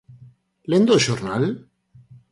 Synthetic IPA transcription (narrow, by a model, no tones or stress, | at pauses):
lend̪oʃoɾnal